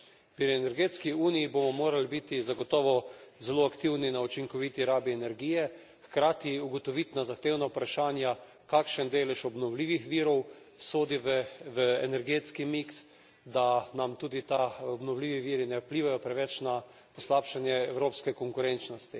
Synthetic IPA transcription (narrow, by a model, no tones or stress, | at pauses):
pɾiɛnɛɾɡeːt̪skiuːnijibomɔmoːɾalibit̪izaɡɔt̪ɔːʋɔzɛloːakt̪iwninaut͡ʃiŋkɔʋit̪iɾaːbiɛnɛɾɡijɛ | xkɾaːt̪iuɡot̪ɔʋit̪nazaxt̪eːwnaupɾaʃaːnja | kakʃənd̪eːlɛʃɔbnɔwliːʋixʋiːɾɔw | soːd̪iʋʋəɛ̰nɛɾɡeːt̪skimiks | d̪anamt̪uːd̪it̪aɔbnɔwliːʋiʋiːɾinɛwpliːʋajɔpɾɛʋɛt͡ʃna | pɔslaːpʃanjɛɛwɾoːpskɛkɔŋkʊɾent͡ʃnɔst̪i